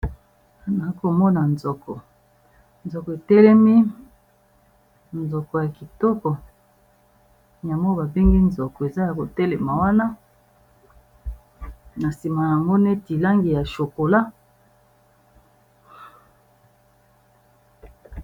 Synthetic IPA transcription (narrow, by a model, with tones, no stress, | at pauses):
na˨˦ko˨mɔ˦na˨nzɔ˨kɔ˨ | nzɔ˨kɔ˨e˨tɛ˦lɛ˦mi˦ | nzɔ˨kɔ˨ja˨ki˨tɔ˦kɔ˨ | ja˨mo˦ba˨be˦ŋɡi˦nzɔ˨kɔ˨e˨za˦ja˨ko˨tɛ˦le˨ma˨wa˦na˦ | na˨si˨ma˨ja˨ŋɡo˦ne˦ti˨la˦ŋɡi˨ja˨ʃo˨ko˨la˦